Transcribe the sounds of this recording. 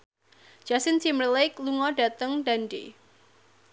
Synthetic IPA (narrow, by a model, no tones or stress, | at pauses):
d͡ʒ̥asɪnt͡ʃimrlɪkluŋɔɖat̪əŋdandḛ